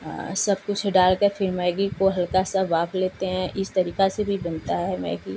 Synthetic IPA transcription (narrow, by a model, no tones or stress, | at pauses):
sɐb̚kʊt͡ʃʰɖaːlkɐɾfʰɪɾmɛːɡikoɦɐlkasabaːfleːt̪eɦɛ̃ʔɪst̪ɐɾiːkasebʱibɐ̃nt̪aɦɛmɛ̰ːɪɡiː